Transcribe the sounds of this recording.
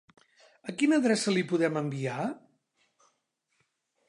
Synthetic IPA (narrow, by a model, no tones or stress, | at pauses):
əkinəðɾɛsəlipuðɛməmbia